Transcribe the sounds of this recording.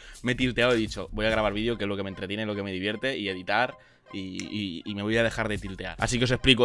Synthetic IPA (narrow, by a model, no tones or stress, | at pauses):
me̞t̪ilt̪e̞awe̞ðit͡ʃo̞bo̞jaɣɾaβaɾβiðjo̞kezlo̞keme̞nt̪ɾet̪jenelo̞ke̞me̞ðiβje̞ɾt̪e̞ʔie̞ðit̪aɾ | iː | me̞βo̞jaðe̞xaɾðe̞t̪ilt̪e̞a̰ɾa̰sikeo̞s̬espliko